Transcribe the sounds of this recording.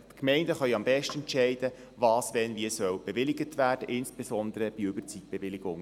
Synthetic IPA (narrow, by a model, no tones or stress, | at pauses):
tkmɛɪndəχœjɑmbɛʃtɛnt͡ʃɛɪd̥ə | vɑːsʋɛnviəsœwb̥eʋɪlɪɡətʋæːd̥əʔɪnsb̥esɔnd̪əɾəb̥iøbəɾt͡sit̚b̥eʋɪlɪɡʊŋ